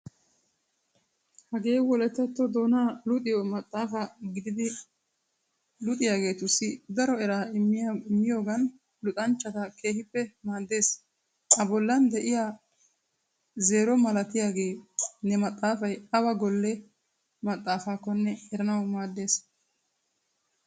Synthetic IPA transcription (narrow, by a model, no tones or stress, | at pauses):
hɐɡe̞ːwɔlɛt̪ːɛt̪ːɔd̪o̞ːnaːlʊt̪ʼɪjɔmɐt̪ʼːaːfɐɡɪd̪ɪd̪ɪ | lʊt̪ʼɪjaːɡe̞ːt̪ʊsːɪd̪ɐɾɔɛɾaːɪmːɪjaɪmːɪjo̞ːɡɐn | lʊt̪ʼɐnt͡ʃːɐt̪ɐke̞ːhɪpːɛmaːd̪ːe̞ːs | ɐbɔlːɐnd̪ɛʔɪja | ze̞ːɾɔmɐlɐt̪ɪjaːɡe̞ːnɛmɐt̪ʼːaːfɐjɐwɐɡɔlːɛ | mɐt̪ʼːaːfaːkːɔnːɛɛɾɐnɐwmaːd̪ːe̞ːs